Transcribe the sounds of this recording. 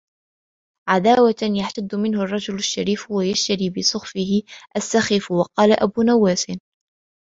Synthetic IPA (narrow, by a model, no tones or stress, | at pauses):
ʕad̪aːwajaħt̪ad̪ːmɪnhʊrˤːɑd͡ʒʊlaʃːaɾiːfwajaʃt̪aɾiːbɪsˤʊxfɪhɪʔasːaxɪfwɑqɑːlaʔabuːnawːaːsɪn